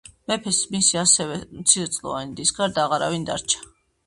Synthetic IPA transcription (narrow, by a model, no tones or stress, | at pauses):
mɛpʰɛsmisiasɛvɛmt̪sʰiɾɛt̪sʼlˠɔ̰vanid̪isɡaɾd̪aːʁaɾa̰vind̪a̰ɾt͡ʃʰḁ